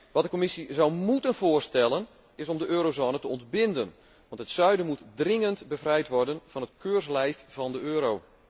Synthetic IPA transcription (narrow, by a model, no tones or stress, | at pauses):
ʋɑt̚dəkomɪsizɔwmutənvoːərstɛlˠən | ɪsɔmdəʔøːɾozoːnətəɔntbɪndən | ʋɑ̃nthətsœɥdənmutdrɪŋəntbəvrɛjtʋɔrdənv̥ɑnətkøːrslɛjfvɑndəøːɾow